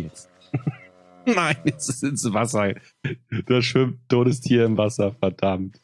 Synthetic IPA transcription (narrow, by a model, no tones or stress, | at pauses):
ɛt͡st | naɪnɛsɪsɪnsvasɐ | d̥aʃv̥ɪmt̚d̥oːɾəstʰiːɐɪmvasɐfɛɐdamt